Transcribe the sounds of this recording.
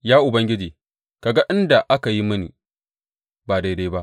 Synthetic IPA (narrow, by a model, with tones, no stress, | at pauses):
jaː˦ʔʊ˨bɐ˦ŋɡʲɪ˦d͡ʒiː˨ | ka˨ɡa˦ʔɪ˦nda˨ʔa˦ka˨ji˦mɐ˦nḭː˨ | baː˨da˦jda˦jba˦ʔ